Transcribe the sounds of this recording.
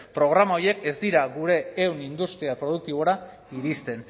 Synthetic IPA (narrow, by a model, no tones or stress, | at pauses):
pɾo̞ɣ̞ɾamao̞je̞ke̞zd̪iɾaɡuɾe̞ːwnind̪ust̪ɾiapɾo̞ð̞uk̚t̪iβo̞ɾa | iɾist̪e̞n